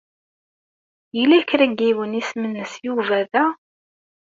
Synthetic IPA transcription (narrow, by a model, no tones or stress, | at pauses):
jəlækɾæɡiwənismənːəsjuvæðæ